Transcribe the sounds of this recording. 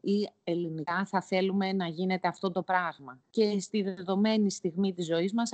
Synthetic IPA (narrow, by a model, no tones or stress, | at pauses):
ie̞linikɐθɐθe̞lume̞nɐʝine̞t̪e̞ɐft̪o̞t̪o̞pɾɐɣmɐce̞st̪iðeðo̞me̞nist̪iɣmit̪izo̞izmɐs